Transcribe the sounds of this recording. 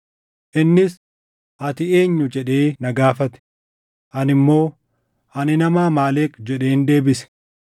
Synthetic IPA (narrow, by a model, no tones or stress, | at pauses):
ʔɪnːɪs | ʔɐt̪ɪe̞ːɲːʊd͡ʒɛᶑeːnɐɡaːfɐt̪ɛ̥ | ʔɐnɪmːo̞ː | ɐnɪnɐmaːmaːleːkd͡ʒɛᶑe̞ːnd̪e̞ːbɪsɛ̥